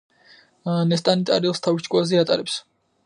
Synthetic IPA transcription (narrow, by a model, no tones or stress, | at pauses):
nɛst̪ʼanit̪ʼaɾilˠst̪ʰavit͡ʃʼkʼwazɛat̪ʼa̰ɾɛps